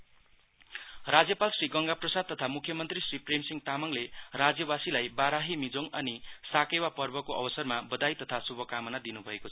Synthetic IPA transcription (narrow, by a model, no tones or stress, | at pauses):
rad͡zjʌpalsriɡʌŋɡaprʌsad̪̚t̪ʌt̪ʰamukʰjʌmʌnt̪risripremsiŋt̪amʌŋlerad͡zjʌbasilajbaɾaɦimid͡zoŋʌnisakewapʌrbʌkoʔʌ̰bʌsʌrmabʌd̪ajt̪ʌt̪ʰasubʱʌkamʌnad̪inubʱʌekot͡sʰʌ